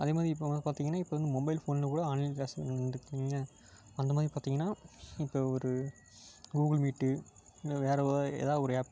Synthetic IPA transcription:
ɐðeːmaːðɾiɪpːoɐpaːɾt̪iːŋɡɐnːaːɪpːoːɾɐnd̪ɯmɔbɐɪlfoːnɪlɐkuːɽɐaːniaːsɐ̰nɯkːnlɐ | ɐnd̪ɐmaːðɾipaːɾt̪iːŋɡɐnːaːɪpːoːɔɾɯ | ɡuːɡɐlmiːʈːɯʋeːɾɐḛːðaːɔɾɯaːp

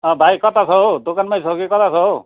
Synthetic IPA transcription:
ɔ̃bʱajkɔt̪ʰasɔd̪okanmajs̬ɔkikɔt̪ʰasɔ

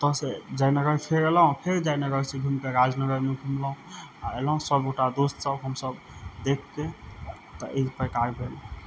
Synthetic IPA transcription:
t̪ɔsed͡ʒajnəɡəɾpʰeɾelɔɦũpʰeɾd͡ʒajnəɡəɾsebʱumkeɾad͡ʒnəɡəɾmeɡʱumlɔũa̰elɔɦũsəboʈad̪ost̪səbɦəmsəb | d̪ekʰke | t̪ɔʔepəjkajbʱel̃

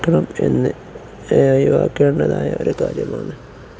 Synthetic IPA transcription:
kːɐɳɐmenːɨ | juʋaːkːeːɳːɐðaːjɐoɾukaːɾjɐmaːɳɨ

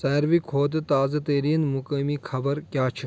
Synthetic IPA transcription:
sɐːɾʋikʰoːt̪ɨt̪aːzɐt̪eːɾiːnmukɐmikʰɐbɐɾkʲjaːt͡ʃʰi

